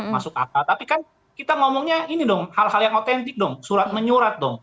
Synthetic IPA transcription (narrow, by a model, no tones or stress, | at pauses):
masʊka̰pat̪apikan | kit̪aŋomɔŋɲainidɔŋhalhaljaŋot̪ɛnt̪ɪk̚dɔŋsuɾat̪̚məɲuɾat̪̚dɔŋ